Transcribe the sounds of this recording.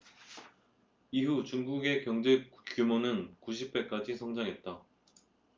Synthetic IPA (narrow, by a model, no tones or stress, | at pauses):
iɦut͡ɕuŋɡuɡe̞kjʌŋd͡ʑe̞kjumonɯnkuɕ̬ʰip̚p͈e̞k͈ad͡ʑisʰʌŋd͡ʑaŋɦe̞t̚t͈a